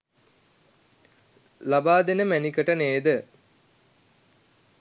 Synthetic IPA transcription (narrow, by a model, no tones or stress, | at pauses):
labaːd̪enəmænikəʈəneːd̪ə